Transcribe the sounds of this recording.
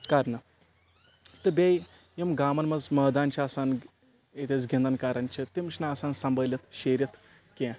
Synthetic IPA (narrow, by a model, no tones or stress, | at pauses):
kaːɾnɐ | t̪ɨbʲej | jimɡaːmɐnmɐzmɐːd̪aːnt͡ʃʰiɐsaːn | et̪et͡sɡʲind̪ɐnkaːɾɐnt͡ʃʰit̪imt͡ʃʰinaːsaːnsɐmbəlʲɐt̪ʰʃeːɾjɐt̪ʰ | ke